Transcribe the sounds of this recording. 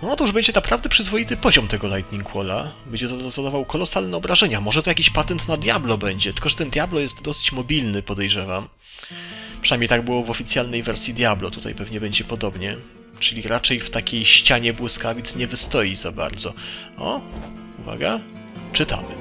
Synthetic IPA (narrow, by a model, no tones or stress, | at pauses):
nɔɔt̪uʐbɛɲd͡ʑɛnapɾavd̪ɛpʂɘzvɔjit̪ɘpɔʑɔmt̪ɛɡɔlajt̪ɲʲiŋkʰwɔla̰bɛɲd͡ʑɛt̪zad̪avawkɔlɔsalnɛɔbɾaʐɛɲamɔʐɛt̪ɔjakʲiɕpat̪ɛnt̪nad̪ʲjablɔbɛɲd͡ʑɛt̪ɘ̥lkɔʐɛt̪ɛnd̪jablɔjɛst̪d̪ɔsɘ̥t͡ɕmɔbʲilnɘpɔd̪ɛjʐɛvam | pʂɨnajmɲʲejt̪aɡ̚bɘwɔvɔfʲit̪sʲjalnɛjvɛɾsʲjid̪ʲjablɔt̪ut̪a̰jpɛvɲɛbɛɲd͡ʑɛpɔd̪ɔbɲɛ | t͡ʂɘlʲiɾʔat͡ʂɛjft̪akʲejɕt͡ɕaɲɛbwɘskavʲit̪sɲɛvɘst̪ɔjizaba̰ɾd̪zɔɔ̰ | uva̰ɡa | t͡ʂɘt̪a̰mɘ̰